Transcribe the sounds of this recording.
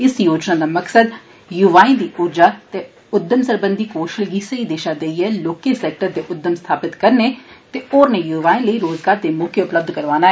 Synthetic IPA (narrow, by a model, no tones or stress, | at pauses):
ɪsjoːd͡ʒnaːd̪aːməksəd̪ | jʊʋaːĩːd̪iːʔuːɾd͡ʒaːt̪eː | ʊd̪ːəmsəɾbənd̪iːkoːʃəlɡiːsəiːd̪eːʃaːd̪eiːɛːloːkeːsɛːk̚ʈəɾd̪eːʔʊd̪ːəmst̪ʰaːpɪt̪kəɾneːt̪eːoːɾnẽːjuʋaːĩːləiːɾoːzɡaːɾd̪eːmʊkʰjeʊpləb̚d̪kəɾʋaːnaːɛː